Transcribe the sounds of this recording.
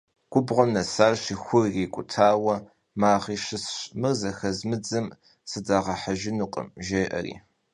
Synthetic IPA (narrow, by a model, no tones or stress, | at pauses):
ɡ̥ʷʼʊbʁʷɔmnɐsaːrɕixʷʊrreːkʷʼʊtʰaːwɐ | maːʁiːʃɪsɕmɨrzɐxɐzmɨd͡zɨm | sɨdaːʁɐħaʒɪnuqʼə̰mʒeːʔɐ̰rḭː